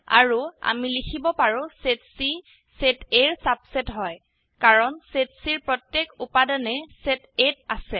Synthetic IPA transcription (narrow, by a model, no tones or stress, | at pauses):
a̰ɹua̰milikʰibɔpaɹʊ̃setsi | seteɹsabsetɦɔj | kaɹɔnsetsiɹpɹɔtjekupadɔnɛsetetasɛ